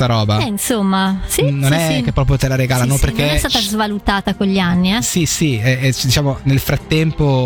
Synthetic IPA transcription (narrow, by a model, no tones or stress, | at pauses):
aɾɔːbaɛinsomːasinonɛkːepːɾɔːp̬ɾjot̪elaɾeɡaːlanopːeɾkːeɛst̪aːt̪azvalut̪aːt̪akeʎːianːiɛsisiɛd̪it͡ʃaːmonelfɾat̪ːɛmpo